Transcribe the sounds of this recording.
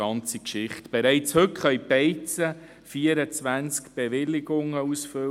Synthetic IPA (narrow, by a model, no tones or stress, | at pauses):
ɑnt͡sikʃɪχtb̥eɾɛɪt͡shɵtχœʏɥpɛɪt͡sə | fiəɾət͡sʋænt͡skb̥eʋɪlːɪɡʊŋəusfʏ